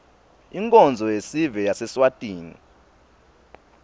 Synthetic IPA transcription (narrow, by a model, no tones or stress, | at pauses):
iŋkʼɔnd͡zʱɔjesivɛjasɛswatʼiːnḭ